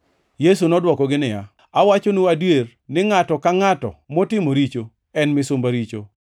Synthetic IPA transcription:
jes̬unɔdwɔkɔɡɪnɪja | awat͡ʃonuadwer | nɪŋatɔkaŋatɔ̰mɔtɪmoɾit͡ʃo | ɛnmɪsʊmbaɾit͡ʃo̰

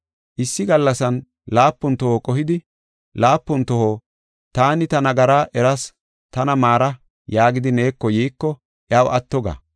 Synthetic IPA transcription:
ʔɪsːɪɡɐlːɐsɐn | laːpːʊnt̪ːɔhoːkʼɔɦɪd̪ɪ | laːpːʊnt̪ːɔhoː | t̪aːnɪt̪ɐnɐɡɐɾaːʔɛɾɐs | t̪ɐnɐmaːɾɐ | jaːɡɪd̪ɪne̞ːkːɔjiːkːɔ | ʔjɐːwʔɐt̪ːɔɡɐ̰

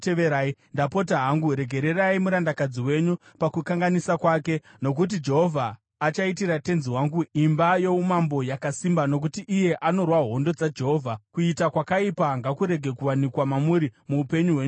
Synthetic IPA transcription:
teʋeɾaːindapo̞t̬aɦaŋɡuɾe̞ɡʱe̞ɾe̞raimuɾandakad͡ziwe̞ɲu | pakukaŋɡanisakwake̞no̞k̬ut̬id͡ʒe̞ɦo̞vʱaː | t͡ʃaitiɾate̞nziwaŋɡuimbajo̞umambo̞jakasimbano̞k̬utiʔːje̞ʔano̞rwaɦo̞ndo̞d͡zad͡ʒe̞ɦo̞ːvʱakuitakwakaipaŋɡakuɾe̞ɡʱe̞kuwanikwamamuɾimuːpe̞ɲuɦweɲu

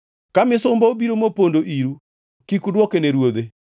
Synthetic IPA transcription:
kamɪsʊmbɔobiɾomopondoʔiɾu | kikudwɔkeneɾwod̪e

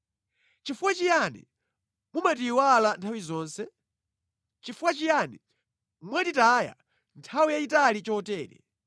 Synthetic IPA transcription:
t͡ʃifuwat͡ʃijanɛ̰ | mumat̬iwalantʰawizɔːnsɛ | t͡ʃifuwat͡ʃijanɛ | mwaditaːja̰ | ntʰawijaitalit͡ʃɔtɛːɾɛ̰

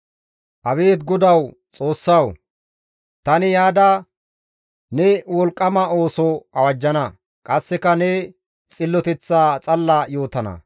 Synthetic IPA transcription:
ʔɐβe̞ːt̪ɡɔd̪ɐw | t͡sʼo̞ːsːɐw | t̪ɐnɪjaːd̪a | nɛwɔlkʼːɐmɐo̞ːsɔɐwɐd͡ʒːɐnɐ | kʼɐsːɛkɐnɛ | t͡sʼɪlːɔt̪ɛt͡sːaːt͡sʼɐlːaːjo̞ːt̪ɐnɐ̰

